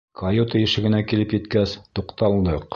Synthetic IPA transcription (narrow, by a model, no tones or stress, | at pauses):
kʰɐjot̪ɘjɘ̆ʃɘ̆ɡɘ̆nækilɘpjɘ̆t̪kæst̪uqt̪ɑlˠd̪ɤq